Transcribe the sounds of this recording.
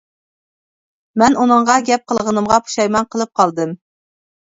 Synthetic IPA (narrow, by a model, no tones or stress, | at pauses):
mɛnunɨɴʁɑɡʲɛp̚qʰəlˠʁənɨmʁɑpʰu̥ʃɑjmɑnqʰəlˠɨp̚qʰɑlˠd̪ɨm